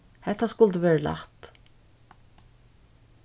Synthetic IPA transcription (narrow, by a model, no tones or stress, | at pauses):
hɛt̪ːaskʊlt̪əʋɛːɹəla̰ht̪